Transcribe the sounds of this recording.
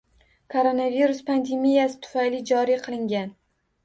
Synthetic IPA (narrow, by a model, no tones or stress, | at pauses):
kʰoɾonaviɾʊspʰand̪e̞mijasɪ̥t̪ʰʊ̥fajlɪd͡ʒɒɾiqʰɨlˠɪŋɡʲan